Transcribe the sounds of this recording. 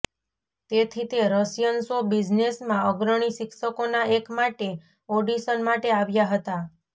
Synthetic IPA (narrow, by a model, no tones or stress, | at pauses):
t̪et̪ʰit̪eɾəsjənsobid͡ʒnesmãəɡɾəɽ̃isɪkʃəkonaekmaʈe | oɖisənmaʈeaʋjaɦət̪a